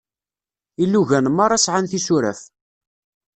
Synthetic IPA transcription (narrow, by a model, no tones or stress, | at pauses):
ilːuʝænmɑɾˤɑsʕanθisuɾæ̰f